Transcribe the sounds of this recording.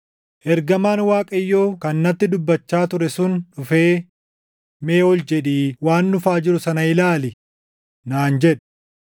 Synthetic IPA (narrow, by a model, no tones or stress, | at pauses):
ʔɛɾɡɐmaːnwaːkʼɐjːo̞ːkɐnːɐt̪ːɪd̪ʊbːɐt͡ʃːaːt̪ʊɾɛsʊnᶑʊfe̞ː | meːɔld͡ʒɛᶑiːwaːnːʊfaːd͡ʒɪɾʊsɐnɐɪlaːlɪ | naːnd͡ʒɛᶑ̥